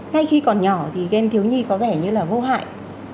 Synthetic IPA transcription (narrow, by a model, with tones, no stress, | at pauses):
ŋa˧jxi˧kɔ˨˩nɲɔ˧˩t̪ʰi˨˩ɛ˧mt̪ʰi˨˦wɲi˧kɔ˨˦vɛ˧˩ɲɨ˧laː˨˩vo˧ɦa̰ː˧˨jʔ